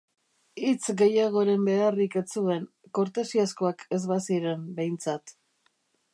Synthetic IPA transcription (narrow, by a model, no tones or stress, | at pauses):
it͡sɡe̞jaɣ̞o̞ɾe̞mbe̞arike̞t͡sue̞ŋ | ko̞ɾt̪e̞siasko̞ake̞zβasiɾe̞mbe̞jnt͡sat̪